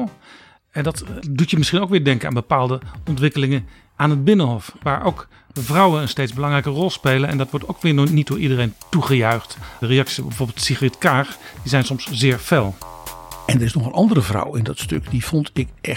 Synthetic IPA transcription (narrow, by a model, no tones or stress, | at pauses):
ɛndɑtdutəmɪsχinowkʋɪːɹdɛŋkəna̰ːnbəpaːlˠdəɔntʋɪkəlɪŋən | ʔaːnɦəd̚bɪnəɦɔfʋaːɹʔowk | vrʌwənənstejdzbəlɑŋrɛjkərɔlˠspejlənɛ̰ndɑtʋɔɹtowkʋɪːnit̚dʊːɹʔidərejntuχəjœɥχtrejɑksibɛjvoːɹbɪlˠtsiχərɛtkaːxdizɛjnsɔmszɪːɹfeːlˠ | ɛndəɾɪsnɔχənʔɑndərəvrɑ̰wɪndɑtstɵ̰kdiv̥ɔntɪkʔɛ